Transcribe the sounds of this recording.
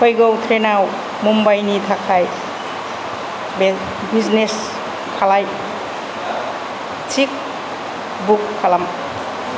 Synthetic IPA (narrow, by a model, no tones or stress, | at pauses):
kʰɔjɡɔut̪ʰɾenaw | mumbajnit̪ʰakʰaj | b | bid͡ʒnes | kʰalaj | t͡ʃik̚ | bukʰːalam